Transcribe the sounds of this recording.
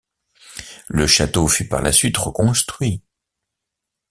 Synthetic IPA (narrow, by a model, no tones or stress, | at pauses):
ləʃat̪ofypa̰ʁlʔa̰sɥit̪ʁəkɔ̃st̪χɥi